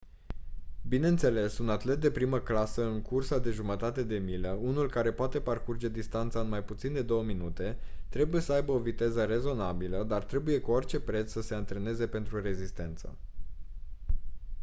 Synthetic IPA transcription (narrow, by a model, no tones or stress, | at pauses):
bine̞ɨnt̪se̞le̞sunat̪le̞t̪̚d̪e̞pɾiməklasəɨŋkursad̪e̞ʒumət̪at̪e̞d̪e̞mileunulkaɾe̞poat̪e̞parkurd͡ʒe̞d̪ist̪ant̪saɨnmajput̪sind̪e̞d̪o̞wəminut̪e̞t̪ɾe̞buje̞səajbəo̞vit̪e̞zəɾe̞zo̞nabiləd̪art̪ɾe̞buje̞kuort͡ʃe̞pɾe̞t̪ssəse̞ant̪ɾe̞ne̞ze̞pe̞nt̪ɾure̞zist̪e̞nt̪sə̰